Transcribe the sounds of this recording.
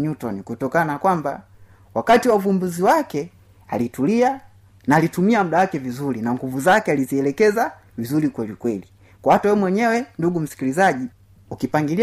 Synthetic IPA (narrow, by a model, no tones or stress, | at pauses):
ɲutɔnikutɔkanaakwamba̰ | wakatiwauvumbuziwakɛ | a̰litulia | naːlitumiamuɗawakɛvizuɾinaŋɡuvuzakɛaliziɛlɛkɛza | vizulikwɛlikwɛli | kwahatawɛmwɛɲɛwɛnduɡum̩si̥kilizaʄi | ukipaŋɡili